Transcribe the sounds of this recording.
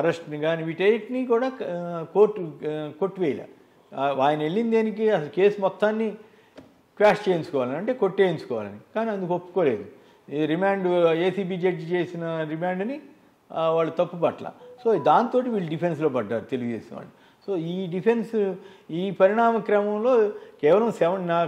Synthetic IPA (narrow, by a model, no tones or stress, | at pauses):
ɐɾɐsʈnɡaːniʋiʈejʈnikuːɽaːkoːʈːkoʈːʋɛːjla̰ | aːjɐnɐe̞ɭːind̪eːnik̬iɐsɐluke̞ːsmɔt̪ːaːnːi | kʋaːʂt͡ʃeːjint͡ʃu̥kɔːʋaːlɐnɐɳʈe̞ːko̞ʈːeːjint͡ʃukɔːʋa̰ːlɐ̰nikaːniɐnd̪ukopːu̥ko̞ːle̞ːd̪u | ɾimaːɳɖeːsiːbiːd͡ʒeʈd͡ʒt͡ʃe̞ːsinɐɾimaːɳɖni | ʋaːɭːɐt̪ɐpːupɐʈɐla̰ːso̞ːd̪aːnt̪o̞ːʈ̬iʋiːɭːuɖipʰens̬lo̞ːpɐɖːaːɾut̪e̞liɡud̪eːsinɐʋa̰ːɭːu | so̞ːiːɖipʰensiːpɐɾiɽaːmɐkɾɐmɐmlo̞ːkɛːʋɐlɐmsɛʋɐnnaː